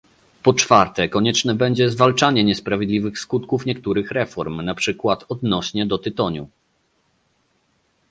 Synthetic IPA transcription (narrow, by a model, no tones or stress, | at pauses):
pɔt͡ʂfaɾt̪ɛkɔɲɛt͡ʂnɛbɛɲd͡ʑɛzvalt͡ʂaɲɛɲɛspɾavʲjɛd̪lʲivɘxskut̪kufɲɛkt̪uɾɘxɾɛfɔɾmnapʂɘkwat̪ɔd̪nɔɕɲɛd̪ɔt̪ɘt̪ɔɲṵ